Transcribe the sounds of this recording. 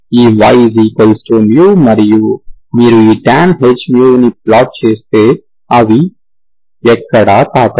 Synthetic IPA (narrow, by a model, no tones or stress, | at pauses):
iːʋajziːkolsʈuːmjuːmɐɾijuːmiːɾuiːʈaːnɦed͡ʒmjuinip̚laːʈ̚t͡ʃeːst̪eː | ɐʋi | ɛkːɐɽaːt̪aːkɐ